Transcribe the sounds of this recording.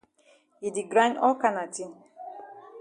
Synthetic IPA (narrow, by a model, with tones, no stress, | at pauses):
ji˨di˨ɡɾã˦nɔ˦ka˦na˨tʰi˦˨n